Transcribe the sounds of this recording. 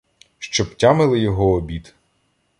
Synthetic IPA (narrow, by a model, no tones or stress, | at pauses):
ʃt͡ʃɔptʲamɪlˠɪjɔɦɔːbʲid̪